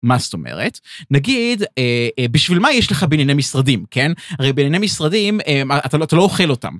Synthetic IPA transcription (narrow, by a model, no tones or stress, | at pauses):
masto̞mḛʁetnaɡideebiʃvilmajeʃleχabenenemisʁadimkenaʁejbenanemisʁadimemaataatalo̞oχelo̞ta̰m